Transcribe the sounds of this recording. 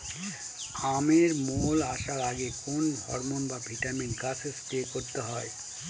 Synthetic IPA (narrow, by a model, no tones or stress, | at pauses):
ameɾmolaʃaɾaɡekonbʱɔ̰ɾmonbabʱiʈaminkasest̪ekoɾt̪eɦɔe